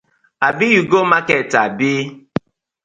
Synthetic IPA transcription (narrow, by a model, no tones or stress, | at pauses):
abijuɡomaketabi